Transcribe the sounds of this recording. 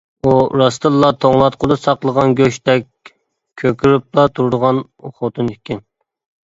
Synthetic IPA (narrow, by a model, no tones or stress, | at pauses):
uɾɑst̪ɨlˠːɑt̪ʰoŋlˠɑt̪̚qʰolˠɨsɑqlˠəʁɑnɡʲøʃt̪ɛkʲ | kʲʰøkʲʰyɾyp̚lɑt̪ʰuɾd̪əʁɑn | χot̪ʰunɪkʲʰɪn